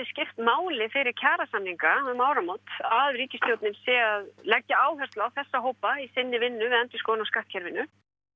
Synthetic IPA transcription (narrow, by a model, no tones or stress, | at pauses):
ɪscɪft̪maːwlɪfɪɾɪɾ̥cʰaːɾasamniŋkamaːwɾamot̪aðriːcɪst̪ʰjowt̪nɪmsɛaðlɛcːaaːwɦɛr̥t̪laawθɛsːaɦoːwpaisɪnːɪvɪnːʏvɪðɛnt̪ɪskoːwnawskaht̪̚cʰɛɾvɪnːʏ